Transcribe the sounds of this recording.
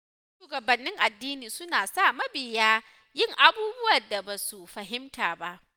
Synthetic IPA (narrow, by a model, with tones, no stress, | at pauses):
ʃuː˨ɡɐ˨bɐ˨nːɪ˦ŋʔa˨dːiː˦niː˨sʊ˦naː˨sa˦˨mɐ˦bɪ˨jaː˦ | jɪ˦˨ŋʔa˦buː˦bʊ˦wɐ˨rda˨ba˨su˨ɸɐ˨ɦɪ˦mtaː˨ba˦ʔ